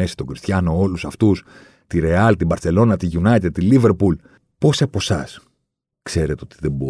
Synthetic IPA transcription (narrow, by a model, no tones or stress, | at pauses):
e̞si̥t̪o̞ɡɾist̪çɐno̞o̞lusɐft̪us | t̪iɾe̞ɐlt̪ibɐɾθe̞lo̞nɐt̪iʝunɐt̪et̪ilive̞ɾpul | po̞sɐpo̞sɐs | kse̞ɾet̪o̞t̪iðebo